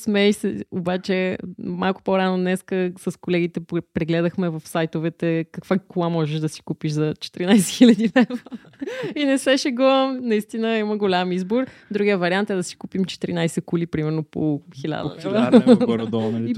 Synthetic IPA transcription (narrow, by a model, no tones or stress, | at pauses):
smɛːʃsɛobat͡ʃɛmalˠkʊ̥poɾanonɛskəsɐskolɛɡit̪ɛpɾɛɡlɛd̪əxmɛvɐfsajt̪ovɛt̪ɛkɐkvakulˠamɔʒɛʃd̪ɐsi̥kupiʃzɐt͡ʃɛ̥t̪iɾinajsɛxilʲɐd̪inɛv | inɛsvɛʃɛɡɔnɐist̪inəiməɡolʲamizboɾd̪ɾuɡʲijəvɐɾiant̪ɛd̪ɐsi̥kupimt͡ʃɛ̥t̪iɾinajsɛkulipɾimɛɾnopoxilʲa̰d̪ɐaɾd̪ɔi